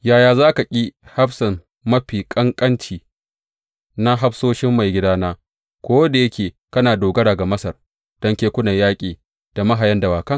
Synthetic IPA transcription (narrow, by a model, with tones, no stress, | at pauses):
jaː˨jaː˨zaː˦ka˨kʲʼi˦ha˦ɸsɐ˨m | mɐ˦ɸiː˨kʼɐ˦ŋkʼɐ˦nt͡ʃiː˨ | na˦ɦa˦ɸsoː˦ʃɪ˦mːa˨jɡʲɪ˦daː˦naː˦ | kʷoː˦wɐ˦da˨jɐ˦kʲeː˨ | kɐ˦naː˨doː˨ɡɐ˦ɽaː˨ɡa˨mɐ˦sɐ˨r | d̥ɔ˦ŋkʲeː˦kʷʊ˦nɐ˨jaː˦kʲʼiː˨ | d̥a˨mɐ˦ɦa˨jɐ˦nda˨waː˨kɐ˦